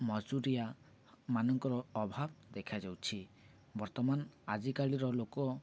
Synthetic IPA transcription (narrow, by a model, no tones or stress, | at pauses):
mɔd͡ʒuɾija | manɔŋkɔɾɔːbʱab̚d̪ekʰad͡ʒawt͡ʃʰi | bɔɾt̪ɔmanad͡ʒikaɭiɾɔlokɔ